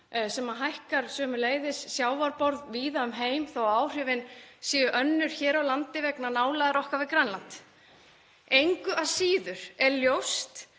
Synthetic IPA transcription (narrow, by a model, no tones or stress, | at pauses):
sɛmaɦajhkaɾ̥sœːmʏleːjðɪsːjaːwvaɾpɔɾðviːðaʏmɦeːjmθawaːwr̥ʏvɪnsiːjʏʔœnːʏɾ̥çɛːɾawlant̪ɪvɛknanaːwlaðaɾɔhkavɪkɾanlant̪ | ejŋkʏʔasiːðʏɾ̥ɛɾljowst̪